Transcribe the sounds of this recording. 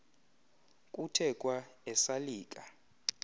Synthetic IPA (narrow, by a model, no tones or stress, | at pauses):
kʼutʰɛkʼwaɛsaliːkʼa